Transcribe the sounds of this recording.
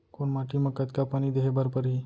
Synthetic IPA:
koɳmaʈʰiməkət̪kapanid̪eɦebəɾpəɾɦi

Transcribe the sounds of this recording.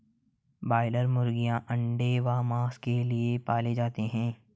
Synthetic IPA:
baːɪləɾmʊɾɡijãʔɐ̃ɳɖeʋaːmaːskeliepaːled͡ʒaːt̪eɦɛ̃ː

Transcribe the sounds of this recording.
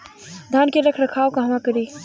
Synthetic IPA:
d̪ʱaːnkeɾɐkʰɾɐkʰaːokaɦʋãkəɾiː

